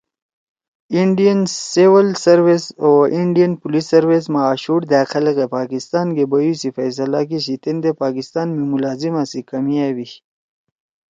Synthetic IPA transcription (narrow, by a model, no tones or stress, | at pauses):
iɳɖijənsewəlsɐɾwesoiɳɖijɐnpulisːɐɾwes̬maːɕuʈd̪aːxɐlɣepaːkist̪ɑːnɡebɐjusifajs̬ɐlak̬iɕit̪end̪epaːkist̪ɑːnmimulaːzimasikɐmiawi